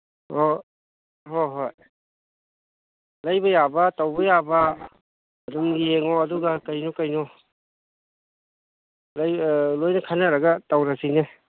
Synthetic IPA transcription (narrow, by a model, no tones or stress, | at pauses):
ho | ɦoɦoj | lajbajabatawbɐjaba | ɐdumɡieŋɔɐduɡakajnɔkajnɔ | lajlojnɐkʰanaɾaɡatawɾasine